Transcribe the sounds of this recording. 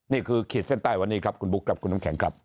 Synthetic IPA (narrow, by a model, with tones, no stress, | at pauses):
niː˥˩kʰɯː˧kʰe˨˩t̪̚se˥˩nt̪aː˥˩jwa˧nːiː˦˥kʰɾa˦˥p̚kʰu˧nbu˦˥kʰɾa˦˥p̚ku˧nːa˦˥ŋkʰɛ˩˦ŋkʰɾa˦˥p̚